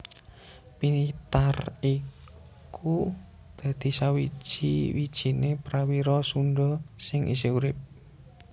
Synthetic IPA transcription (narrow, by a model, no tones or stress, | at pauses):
pinit̪ari | ku | d̪̥ä̤d̪̥i̤sawi̥ʒ̥iwid̥ʒ̥i̤nepɾawiɾɔsuɳɖɔsɪŋʔḭseuɾɪp̚